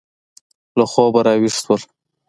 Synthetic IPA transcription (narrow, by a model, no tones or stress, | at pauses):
laxɔbaɾɑwiʂt̪wəl